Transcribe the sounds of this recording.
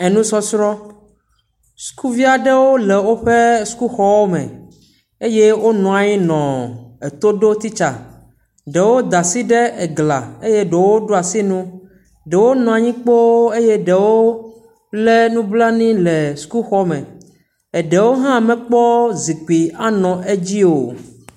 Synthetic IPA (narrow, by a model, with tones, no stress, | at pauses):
ɛ˨nũ˦sɔ˦sɾɔ˦ | su̥˦ku˦vi˦a˨ɖɛ˦wo˦lɛ˨wo˦ɸe˦su̥˨˦ku˦xɔ˦wo˦mɛ̰̃˨ | e˦je˦wo˦nɔ̃˨a˨ji˦nɔ̃˨e˨t̪o˦ɖo˦t̪i˦t͡ʃa̰˨ | ɖe˨wo˦d̪a˨si˦ɖe˦ɛ˨ɡla̰˨e˦je˦ɖe˨wo˦ɖo˦a˨si˦nũ˦ | ɖɛ˨wo˦nɔ̃˨a˨ɲĩ˦k͡po˦e˦je˦ɖɛ˨wo˦ | lɛ˦nũ˦bla˦nĩ˦lɛ˨su̥˨ku˦xɔ˦mɛ̰̃˨ | ɛ˨ɖɛ˨wo˦ɦã˦˨mɛ̃˦k͡pɔ˦zi˨k͡pi˨a˦nɔ̃˨ʔe˦d͡ʑi˦o˨